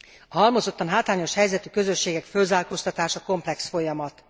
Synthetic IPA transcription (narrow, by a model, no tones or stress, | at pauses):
ɒɦɒlmo̞zo̞t̪ːɒnɦaːt̪laːɲo̞ʃhɛjzɛt̪ykø̞zø̞ʃːeːɡɛkfølzaːlkost̪ɒt̪aːʃɒko̞mplɛksfo̞jɒmɒt̪